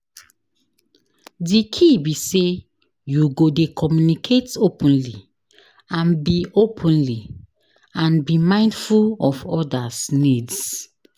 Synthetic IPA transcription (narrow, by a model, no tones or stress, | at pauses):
dikʰibise | juɡodekʰɔmjunikʰetopʰɔ̃nli | ãnbiopʰɔ̃nli | ãnbimãɪ̃ndfulɔfɔdasnids